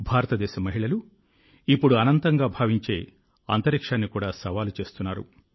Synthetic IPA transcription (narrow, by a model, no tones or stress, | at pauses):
bʱaːɾɐt̪ɐd̪ɛːʃɐmɐɦiɭɐlu | ipːuɽuɐnɐnt̪ɐŋɡaːbʱaːʋiɲt͡ʃe̞ː | ɐ̰nt̪ɐɾikʂaːnːikuːɽaːsɐʋaːlut͡ʃe̞ːst̪unːaːɾṵ